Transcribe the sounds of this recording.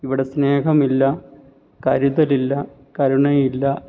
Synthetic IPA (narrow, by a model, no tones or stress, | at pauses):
iʋiɽe̞sneːkɐmilːɐ | kɐɾuðɐlilːɐ | kɐɾuɳɐjilːɐ